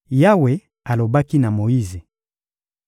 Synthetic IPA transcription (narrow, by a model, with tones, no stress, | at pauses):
ja˦we˨ | a˨lo˨ba˦ki˦na˨mo˨i˦ze˨